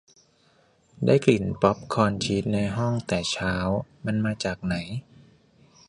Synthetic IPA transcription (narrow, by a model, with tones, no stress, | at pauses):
daː˥˩jkli˨˩npɔ˦˥p̚kʰɔː˧nt͡ɕʰiː˦˥t̪̚na˧jɦɔ˥˩ŋt̪ɛː˨˩t͡ɕʰaː˦˥wma˧nmaː˧t͡ɕaː˨˩k̚na˩˦j